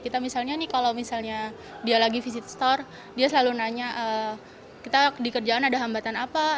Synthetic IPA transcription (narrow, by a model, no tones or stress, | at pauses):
kit̪amisalɲanɪkalawmisalɲa | dialaɡifisit̪st̪ɔr | diasəlalunaɲaʔə | kit̪adikərd͡ʒaːnadaɦambat̪anapa